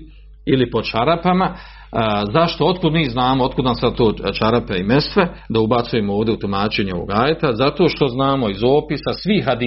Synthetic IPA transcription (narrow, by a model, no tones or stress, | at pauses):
ilipo̞t͡ʃaɾapama | zaʃt̪o̞ot̪kud̪miːznaːmoo̞t̪̚kud̪namsad̪̚t̪oːt͡ʃaɾapeime̞st̪ʋe̞d̪aubat̪suje̞mooːʋvd̪eut̪umaːt͡ʃe̞ɲeo̞ʋo̰ɡaːjet̪azat̪o̞ːʃt̪o̞znaːmo̞izo̞ːpisasʋiːɦad̪i